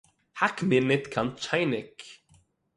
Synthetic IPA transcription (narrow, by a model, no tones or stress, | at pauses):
hakmɪnɪt̪kʰant̪̚t͡ʃʰajnɪk